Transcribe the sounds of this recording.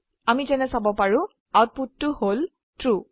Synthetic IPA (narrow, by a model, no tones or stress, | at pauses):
amizɛnɛsabɔpaɹʊ̃ | awt̚putːʊhol | tɹu